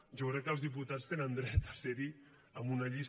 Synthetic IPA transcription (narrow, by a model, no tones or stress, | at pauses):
ʒokɾɛkːəlzðip̬ut̪at͡st̪enənd̪ɾɛt̪asɛɾi | əmunaʎis